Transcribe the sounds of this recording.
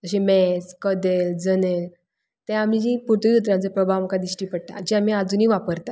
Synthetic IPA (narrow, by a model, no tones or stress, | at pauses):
d͡zəɕemɛskəd̪eld͡zənel | t̪ɛ̃am̤id͡ʑiput̪ijut̪ɾãnt͡sepɾəbʱaʋməkad̪iɕʈiːpəɽ̚t̪a̰d͡ʑiamiːad͡zuniːʋapəɾt̪a